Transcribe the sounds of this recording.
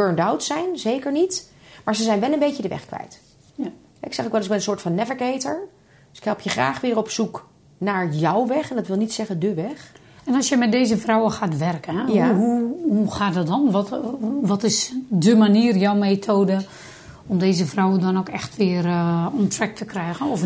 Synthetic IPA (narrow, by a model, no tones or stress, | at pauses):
bøɹndawtsɛjnzeːkəɹnitmaːɹzəzɛjnʋɛlˠənbejtjədəʋɛ̰xkʋɛ̰jt | hɛɪksɛxokʋɛlˠəsɪɡbɪnənsoːɹtfɑnːɛvəkejtəɹ | sɪ̥khɛlˠpʰjəχra̰ːxʋɪːrɔpsuk | naɹjɔwʋɛxɛndɔtʋɪlˠnitsɛɣədəʋɛx | ɛnɔsjəmɛt̚deːzəfrɔwəxaːtʋɛrkəɛjaɦuhuxaːt̚dɔt̚dɔnʋɔtʋɔtɪsdəmaniːrjɔwmeːtʰoːdə | ɔmdeːzəvrawədɔnokɛxtʋɪːərɔntrɛk̚tʰəkrɛjɣənɔf